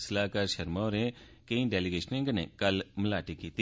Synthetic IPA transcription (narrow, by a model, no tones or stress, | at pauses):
slaːkɐɾʃɐɾmaɾẽ | keĩɖeːlɪɡeːʃnẽŋɡnḛ̃kɐlməlaːʈikiːt̪i